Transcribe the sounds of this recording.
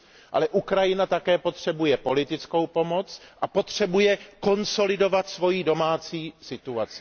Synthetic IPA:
ʔa̰lɛʔukɾajɪnat̪akɛːpo̞t̪r̝̥ɛbujɛpo̞lɪt̪ɪt͡sko̞wpo̞mo̞t͡sʔapo̞t̪r̝̥ɛbujɛko̞nso̞lɪdo̞vat̪svo̞jiːdo̞maːt͡siːsɪt̪uat͡sɪ̥

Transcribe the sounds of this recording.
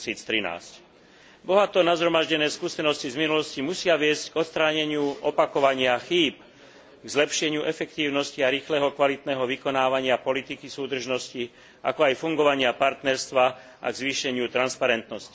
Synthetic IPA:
siːt͡st̪ɾina̰ːsc | bɔɦat̪ɔnazɦɾɔmaʒɟɛnɛːskusɛnɔscizminulɔscimusɪaʋɪɛzcɡɔt̪st̪ɾaːɲɛɲɪuʔɔpakɔʋaɲɪaxiːp | ɡzlɛpʃɛɲɪuʔɛfɛkt̪iːʊnɔsciaɾiːxlɛːɦɔkʋalit̪nɛːɦɔʋikɔnaːʋaɲɪapɔlit̪ikisuːd̪r̩ʒnɔsci | ʔa̰kɔajfuŋɡɔʋaɲɪapaɾt̪nɛɾst̪ʋa | ʔa̰ɡzʋiːʃɛɲɪut̪ɾanspaɾɛnt̪nɔsci̥

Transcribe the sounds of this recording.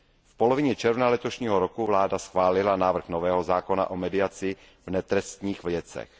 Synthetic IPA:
fpolovɪɲɛt͡ʃɛɾvnalɛt̪oʃɲiːɦoɾokuvlaːdasxvaːlɪlanaːvr̩xnovɛːɦo̞zaːko̞na̰ʔomɛdɪat͡sɪ | vnɛt̪ɾɛst̪ɲiːxvljɛt͡sɛ̰x

